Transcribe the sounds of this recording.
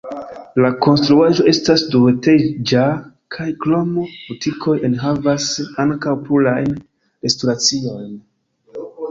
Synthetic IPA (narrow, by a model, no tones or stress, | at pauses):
lako̞nstɾuaʒo̞e̞stasdueted͡ʒa | kʰajklo̞mobutʰikʰo̞jenɦavasaŋkawpɾulajn | ɾe̞stuɾat͡sio̞jn